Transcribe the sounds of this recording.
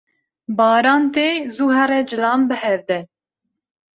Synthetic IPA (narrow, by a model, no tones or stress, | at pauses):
bɑːɾɑːnt̪eːzuːɦɛɾɛd͡ʒɨlɑːmbɨhɛvd̪ɛ